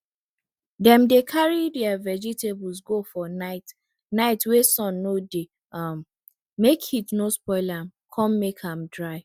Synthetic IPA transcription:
dɛ̃mdekʰaɹidɛavɛd͡ʒitebulsɡofɔnaɪt | naɪtwesɔ̃nːode | amː | ekitnospɔɪlãmkʰɔ̃mːekʰãmdɹaɪ

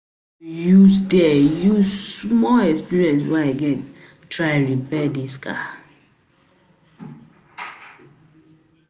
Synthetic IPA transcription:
jusdɛjuzmɔɛkspiɹiɛ̃nswɛaɡɛt | tɹaɪ̃ɹipɛdiskʰa̰

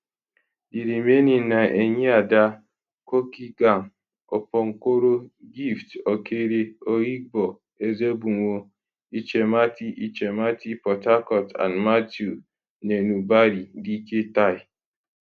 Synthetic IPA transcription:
diɾimeninaeɲeada | kokiɡaŋ | opɔŋ̩kʷoɾoɡiftokʰeɾeoɣik̚bɔ | ezebuŋʷo | it͡ʃematiʔit͡ʃematipɔtakɔta̰nmatju | nenubaɾidiketaɪ

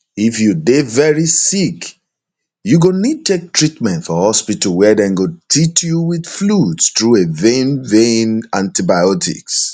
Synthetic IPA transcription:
ifjudevɛɹisik | juɡonid̚tek̚tɹitmɛ̃ntfɔhɔspitəlwɛdɛ̃nɡotʰitjuwidfludstɹuevẽnvẽnãntibaɪɔtʰḭks

